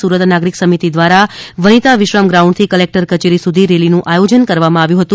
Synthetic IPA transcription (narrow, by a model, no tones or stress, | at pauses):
suɾət̪naɡɾiksəmit̪id̪ʋaɾaʋənit̪aʋɪʃʋamɡɾaũɳɖt̪ʰikəlek̚ʈəɾkət͡ʃeɾisud̪ʱiɾelinũʔajod͡ʒənkəɾʋamãaʋjũɦət̪ũ